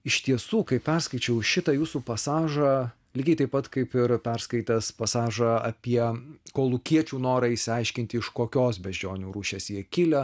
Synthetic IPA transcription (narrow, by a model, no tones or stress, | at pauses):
ɪʃt̪ʲiɛsuːkɐɪppʲɛɾskɐɪt͡ʃʲɛʊʃʲɪt̪ɐjuːsuːpɐsɑːʒɐ | lʲɪɡʲɛɪt̪ɐɪpɐt̪kɐɪpɪɾpʲɛɾskɐɪt̪ɐspɐsɑːʒɐɐ̰pʲiɛkoːlˠʊkʲiɛt͡ʃʲuːnoːɾɐɪʃʲsʲɪɐɪʃʲkʲɪnʲt̪ʲɪɪʃkoːkʲoːsbʲɛʒʲd͡ʒʲoːnʲuːɾuːʃʲeːsjiɛkʲɪlʲɛ